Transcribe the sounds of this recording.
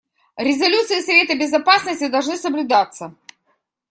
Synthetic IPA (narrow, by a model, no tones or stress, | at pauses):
ɾʲɪzɐlʲut̪sɨɪsɐvʲe̞t̪əbʲɪzɐpasnəsʲtʲɪd̪ɐlˠʐnɨsəblʲʊd̪at̪sːə